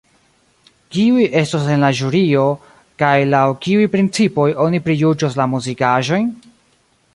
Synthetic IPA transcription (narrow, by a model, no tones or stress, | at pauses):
kiujʔe̞stos̬e̞nlaʒuɾio̞ | kajlawkiujpɾint͡sipo̞jo̞nipɾijud͡ʒoslamuzikaʒo̞jn